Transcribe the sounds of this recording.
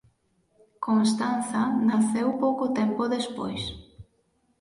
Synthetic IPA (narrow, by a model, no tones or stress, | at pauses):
kons̬t̪anθanaθewpowkot̪ɛmpoðespo̰js